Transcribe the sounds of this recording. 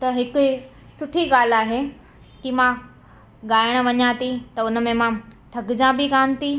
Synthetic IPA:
t̪ɐɦɪkʊ | sʊʈʰiɠaːl̤aːɦe | kimã | ɠaːɪɽ̃̆ʋɐɲãt̪it̪ɐʊn̆mẽmãt̪ʰɐɡd͡ʑãbɪɡaːnt̪i

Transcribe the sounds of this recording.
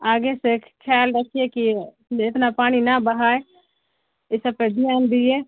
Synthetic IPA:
aːɡesekʰːaːlɾəkʰieki | ɪt̪napaːɽ̃inabəɦaːe | ɪsəb̚ped̪ʱɪjaːnd̪ie

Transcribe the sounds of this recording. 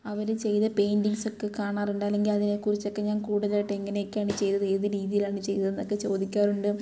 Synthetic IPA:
ɐʋɐɾt͡ɕe̞jt̪ɐpe̞jndiŋso̞kːekaːɳaːruɳɖɨɐlːe̞ŋɡilɐðinekːurit͡ɕːo̞kːe̞ɲaːnkuːɽɐðlaːjʈːeeŋːɐnejokʲːaːɳɨt͡ɕe̞jt̪ɐðe̞ːðɨɾiːðijilaːɳɨt͡ɕe̞jt̪ɐðenːo̞kːe̞t͡ɕo̞ːd̪ikʲːaːruɳɖɨ

